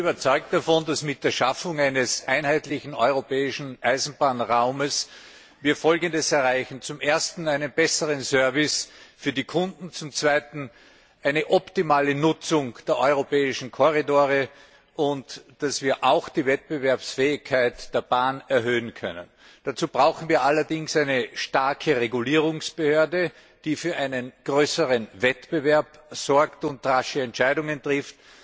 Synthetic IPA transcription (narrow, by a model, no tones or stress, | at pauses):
bɐt͡sɔʏk̚t̚d̥afɔndasmɪt̚d̥eːɐʃafʊŋaɪnəsʔaɪnhaɪtlɪçn̩ɔʏʁopʰɛːɪʃn̩ʔaɪzn̩b̥aːnʁaʊməs | viːɐfɔlɡəndəsɛɐʁaɪçn̩t͡sʊmʔeɐstn̩æɪnənb̥ɛsəʁənsœɐvɪsfyːɐdiːkʰʊ̃ndn̩t͡sʊmt͡sv̥aɪtn̩ | ʔæɪnəʔɔptimaːlənʊt͡sʊŋd̥eːɐʔɔʏʁopɛːɪʃn̩kʰoʁidoːʁə | ʔʊntd̥asv̥iːɐʔaʊxd̥iːvɛt̚b̥əvɛɐpsfɛːɪçkʰːaɪtd̥eːɐbaːnɛɐɦøːənkʰœ̰nə̰n | d̥at͡suːb̥ʁaʊxn̩viːɐʔalɐdɪŋsæɪnəʃtaɐkʰəʁeɡuliːʁʊŋsb̥əhøːɐdə | d̥iːfyːɐʔaɪnənɡ̥ʁøːsəʁənvɛtb̥əvɛɐpz̥ɔɐktʊntʁaʃəɛntʃaɪdʊŋəntʁ̥ɪft